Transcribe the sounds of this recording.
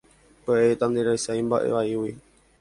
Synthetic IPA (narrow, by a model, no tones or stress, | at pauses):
peeet̪ãnd̪eɾajsaĩmba̰ʔḛʋaiwi